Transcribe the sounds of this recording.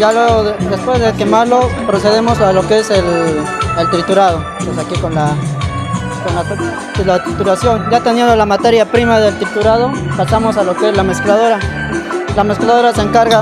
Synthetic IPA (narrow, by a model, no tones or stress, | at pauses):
jaleɣod̪espwezðe̞kemaɾlo̞pɾoseðemosalo̞keeselelt̪ɾit̪uɾað̞o | pesakikonla | konla | t̪ilat̪it̪uɾasjo̞nɟ͡ʝat̪enjend̪olamat̪e̞ɾjapɾimaðelt̪ɾit̪uɾað̞o̞pasamo̞salokezlame̞sklað̞o̞ɾa | lamesklaðo̞ɾaseːŋkaɾɣa